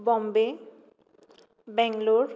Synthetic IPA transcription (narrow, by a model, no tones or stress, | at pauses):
bɔmbe | bɛŋloɾ